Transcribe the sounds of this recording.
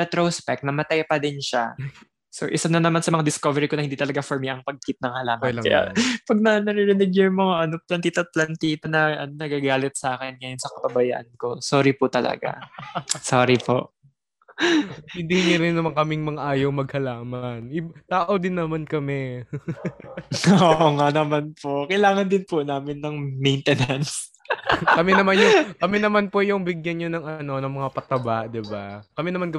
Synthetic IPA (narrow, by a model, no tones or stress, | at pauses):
ɛt̪ɾospɛk̚t̚nɐmɐt̪ajpɐd̪ɪnʃa | so̰ʔɪsanɐnɐmansɐmɐŋad̪ɪskovɛɾɪko̞nɐhɪnd̪iːt̪ɐlɐɡafɔɹmiʔɐŋpɐɡ̚kit̪̚nɐŋhɐlaːmɐnɐja̰pɐɡ̚nɐnɐɾɪɾɪnɪɡjɛmoaʔɐnoplɐnt̪iːt̪ɐp̪̚lɐnt̪iːt̪ɐnɐʔɐnonɐɡaɡaːlɪt̪̚saːkɛnŋɐjonsɐkɐpɐbɐjaʔɐ̰nko̞soːɾipʊt̪ɐlɐ̰ɡa̰soːɾipo̰ʔ | ɪnd̪iɲoɾɪnːɐmaŋkɐmɪŋmɐŋaʔaːjowmɐɡ̚hɐlaːmanɪt̪aːʔod̪ɪnːɐmankɐmɛ | ʔoʔoŋaʔnɐmanpokɐjlaːŋɐnd̪ɪnpʊnaːmɪnːɐŋmɛjnt̪ɛnɐns | kɐmɛnɐmanjʊŋkɐmɛnɐmanpojʊŋbɪɡjanɲonɐŋɐno̞nɐŋmɐŋapɐt̪ɐbaʔd̪ɪbakɐmɛnɐmankɐ